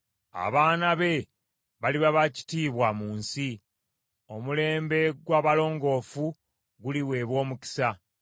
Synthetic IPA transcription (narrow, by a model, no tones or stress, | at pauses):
a̰βaːnaβe̞ | βaliβaβaci̥tiːβwamuːnsi | o̞mule̞ːmbe̞ɡwaːβalo̞ːŋɡo̞ːfu | ɡuliwe̞ːβwo̞ːmuci̥sa